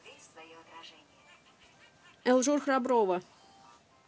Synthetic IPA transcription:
ɛlˠʐurxɾabɾovə

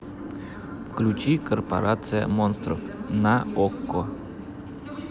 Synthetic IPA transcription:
fklʲʉt͡ɕikərpɐ̰ɾat̪sɨjə̰monst̪ɾə̰fnaokːo

